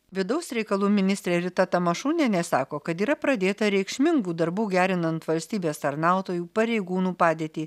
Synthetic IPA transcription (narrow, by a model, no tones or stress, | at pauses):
ʋʲɪd̪ɐʊsɾʲɛɪkɐlˠuːmʲɪnʲɪst̪ɾʲeːɾʲɪt̪ɐt̪ɐmɐʃuːnʲɛnʲɛsɑːkoːkɐt̪iːɾɐpɾɐd̪ʲeːt̪ɐɾʲɛɪkʃʲmʲɪŋɡuːd̪ɐɾbuːɡʲæːɾʲɪnɐnt̪ʋɐlʲsʲt̪ʲiːbʲeːst̪ɐɾnɑˑʊt̪oːjuːpɐɾʲɛɪɡuːnuːpɑːd̪ʲeːt̪ʲiː